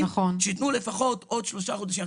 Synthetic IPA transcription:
aχonʃit̪nulefaχot̪od̪ʃloʃaχod̪aʃim

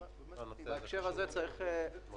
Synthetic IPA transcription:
aekʃeʁazet͡saʁiχe

